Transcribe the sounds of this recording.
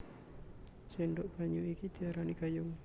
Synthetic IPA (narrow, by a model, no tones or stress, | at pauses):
sɛndɔʔb̥aɲuikit̪iaɾanikajʊŋ